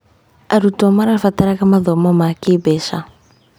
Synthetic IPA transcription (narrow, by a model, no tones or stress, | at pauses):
aɾutomaɾafat̪aɾakamaðomamakibesa